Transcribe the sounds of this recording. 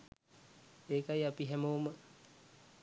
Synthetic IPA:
ekajapiɦɛmowmə

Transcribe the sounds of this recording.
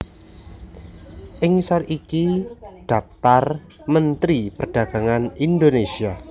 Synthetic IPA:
ʔɪŋsəɾikiɖ̥a̤p̚t̪ar | mənt̪ɾipərɖ̥ä̤ɡ̥a̤ŋanind̪onesia

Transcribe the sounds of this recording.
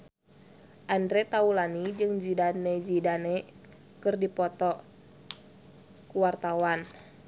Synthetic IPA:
ʔandɾɛt̪aulanid͡ʒɨŋd͡ʒidanɛd͡ʒidanɛ | kɨrdipɔt̪ɔ | kuwart̪awan

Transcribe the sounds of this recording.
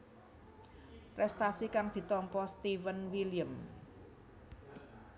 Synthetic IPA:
pɾɛst̪asikaŋd̪̥i̤t̪ɔmpɔst̪ivənwiliəm

